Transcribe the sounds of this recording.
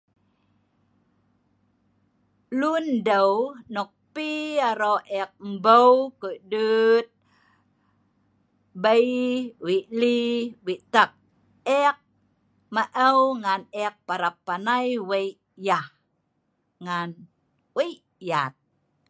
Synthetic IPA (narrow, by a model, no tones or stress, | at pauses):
lundəwnɔk̚piaɾoʔɛk̚m̩bəwkədət̪̚ | bəjwiʔliwit̪ək̚ | ɛk̚ | maʔəwŋanɛk̚paɾapːanajwəi | jah | ŋan | wəiʔjat̪̚